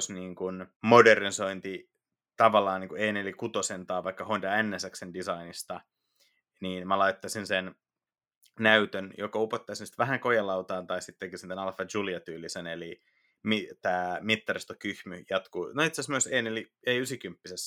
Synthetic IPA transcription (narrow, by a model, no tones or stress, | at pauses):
sniːŋkunmoderniso̞int̪i | t̪ɑʋɑlːɑːniːŋkueineolikut̪osent̪ɑːʋʋɑikːɑhoint̪ɑænːæsæksendisɑinist̪ɑ | niːnmælɑjt̪ːɑsinsen | næyt̪ønjokɑupot̪ːɑisinsi̥t̪ʋæɦæŋkojɑlɑwt̪ɑːnt̪ɑisit̪t̪ekisint̪ænɑlfɑd͡ʒuliɑt̪yːlːiseneli | mit̪æːmit̪ːɑɾist̪okyhmyjɑt̪kuːnoit̪sæsmyøseːneoli | eiysikympːises